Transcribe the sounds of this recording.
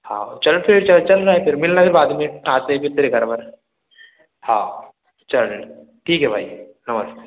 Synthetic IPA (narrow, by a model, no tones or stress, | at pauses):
hã̰ːot͡ʃɐlpʰɪɽt͡ʃɐlt͡ʃɐlɾaːɦɛpʰɪɾmɪlnapʰɪɾbaːd̪meaːt̪ẽpʰɪɾt̪eɾeɡʱɐɾbɐn | haː | t͡ʃɐl | ʈʰiːkɦɛbʱa̰ːinɐməs